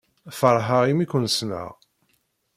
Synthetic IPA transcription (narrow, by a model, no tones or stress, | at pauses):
fəɾˤɦaʁimikʷːənsnə̰ʁ